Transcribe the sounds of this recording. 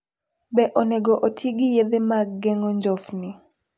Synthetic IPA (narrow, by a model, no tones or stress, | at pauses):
bɛʔonɛɡɔʔotʰiɡijed̪emaɡːɛŋɔɲd͡ʒɔfnɪ